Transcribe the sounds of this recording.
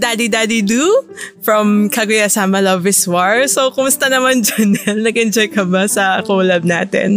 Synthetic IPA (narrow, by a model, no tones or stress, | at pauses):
d̪aːd̪id̪ad̪id̪ufɹɐmkaɡʊjɐsaːmɐlɐvɪswaɹsowkʊmʊst̪ɐnɐmand͡ʒɐnɛnːɐɡɪnd͡ʒɛkːɐbasɐkolɐb̚na̰ːt̪ɛ̰n